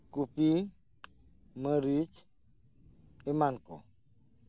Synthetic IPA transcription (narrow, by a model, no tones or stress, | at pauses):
kupi | maɾit͡ʃ | ɪmankɔ̰